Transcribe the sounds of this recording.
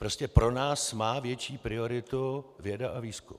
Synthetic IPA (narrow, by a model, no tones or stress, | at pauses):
pɾo̞scɛpɾo̞naːsmaːvjɛt͡ʃiːpɾɪo̞ɾɪt̪uvjɛdaʔaviːskṵm